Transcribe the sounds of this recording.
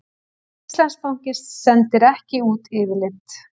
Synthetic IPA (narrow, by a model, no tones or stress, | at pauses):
ist̪lanspowŋ̥cɪɾsɛnt̪ɪɾɛhcɪuːt̪ɪːvɪlɪnt̪